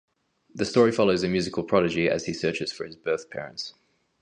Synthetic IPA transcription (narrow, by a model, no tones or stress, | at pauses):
ðəstɔːɹifɒloʊzəmjʉːzɪkʰəlˠpʰɹ̥ɒɾɪd͡ʒiə̰z̥isɜˑt͡ʃɪz̥fə˞ɪzbɜˑθpʰɛ̰ːɹə̰̃nts